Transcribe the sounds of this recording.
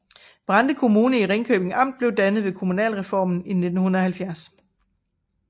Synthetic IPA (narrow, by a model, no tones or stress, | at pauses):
b̥ʁɑ̈nd̥əkʰo̝muːnəiʁeŋkʰø̰ːb̥eŋɑ̈m̰d̥̚b̥le̝ʊd̥ænð̞̩ˠʋe̝kʰo̝munɛ̰ːlʁɛfɒ̰ːmn̩ine̝d̥n̩hunɐɒ̽hælfjæɐs